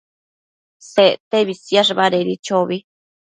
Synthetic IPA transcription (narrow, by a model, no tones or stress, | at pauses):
set̪ebisjaʂ̬baɾeɾit͡ʃobi